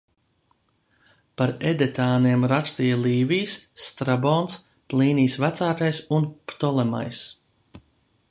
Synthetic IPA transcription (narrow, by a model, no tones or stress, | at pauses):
paɾɛd̪ɛt̪aːniɛmɾakst̪ijalˠiːvijsːt̪ɾabɔːns | plˠiːniːsvæt̪saːt̪ajsunpt̪ɔlˠɛma̰js